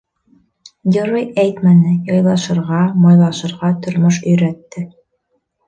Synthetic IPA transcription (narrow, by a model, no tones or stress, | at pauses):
ɡʲɘ̆ɾojæjt̪mænɘjɑjlˠɑʃɤ̆ɾʁɑmɑjlˠɑʃɤ̆ɾʁɑt̪ŏɾmoʃ̬ɵ̆jɾæt̪ːɘ